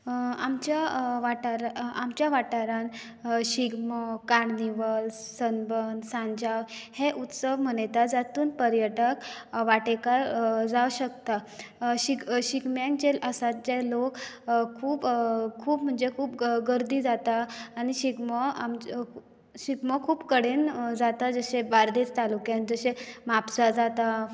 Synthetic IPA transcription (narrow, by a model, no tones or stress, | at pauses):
amt͡ɕjaʋaʈaɾaamt͡ɕjaʋaʈaɾan | ɕiɡməkaɽniʋəlsənbənsãɲd͡ʑawheʔut̪səʋm̤əɽ̃əjt̪ad͡zat̪uːnpəɾjəʈəkʋaʈekaɾd͡zawɕəkt̪aɕiɡɕikmjãnt͡ɕelʔəsat̪̚d͡ʑelok | kʰuːpkʰuːpm̤əɳd͡zekʰuːpɡəɾd̪iːd͡zat̪aːɽ̃iɕiɡməam | ɕiɡməkʰuːpkəɽend͡zat̪ad͡zəɕebaɾd̪et͡st̪alukjãnd͡zəɕemapd͡zad͡zat̪a